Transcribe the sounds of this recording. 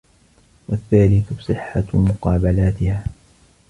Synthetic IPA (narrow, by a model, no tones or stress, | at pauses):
waθːaːlɪθsˤɨħːamʊqɑːbalaːt̪ɪhaː